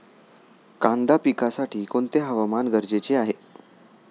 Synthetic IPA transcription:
kãnd̪apikasaʈʰiːkoɳt̪eɦəʋamanɡʱəɾd͡ʑet͡seaɦe

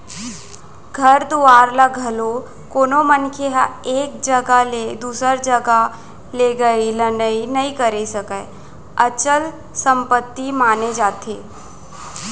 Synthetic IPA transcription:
ɡʱɐɾd̪uaːɾlaɡʱɐlo | koːnomənkʰeɦaeːk̚d͡ʒɐɡaled̪uːsəɾd͡ʒəɡa | leːɡəilənəinɐikəɾesɐkəe | ɐt͡ʃəl | sə̃mpət̪ːimaːned͡ʒaːt̪eː

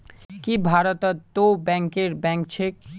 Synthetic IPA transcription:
kibʱaɾot̪at̪obɛŋkeɾbɛŋkt͡ɕʰek̚

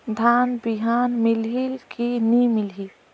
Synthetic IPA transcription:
d̪ʱaːnbiɦaːnmɪlɦilkʰinimɪlɦiːl

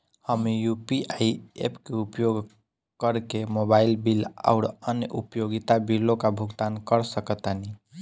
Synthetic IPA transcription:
həmjupiʔaiḛpkeupjoɡ | kəɾkemobailbila̰ʊɽənjəʔupjoɡit̪abilokabʱuɡt̪ankəɾsəkət̪ani

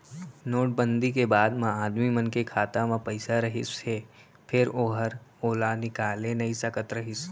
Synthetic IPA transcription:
noːʈ̚bə̃nd̪ikebaːd̪mãaːd̪mimənkekʰaːt̪amãpɐɪsaɾɐɦɪ̰se | pʰɪɾoːɦəɾoːlanɪkaːlenɐisɐkət̪ɾɐɦɪs

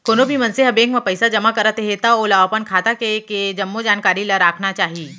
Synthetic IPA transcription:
koːnobʱimɐ̃nsɪɦəbẽːŋkmẽpɐɪsad͡ʒɐmakɐɾət̪eɦet̪aoːlaʋaːpənkʰaːt̪akeked͡ʒɐmːod͡ʒaːnkaːɾilaɾaːkʰnat͡ʃaːɦiiː

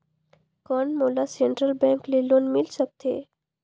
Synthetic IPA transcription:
kɔːnmoːlaseɳʈɾəlbɛ̃ŋklelõnmɪlsək̚t̪ʰḛː

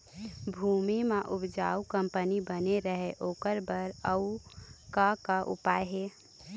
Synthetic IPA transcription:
bʱumimeʔubd͡ʒa̰ukəmpənibəneɾəɦeʔoːkəɾbəɾəukakaʔṵpajɦe

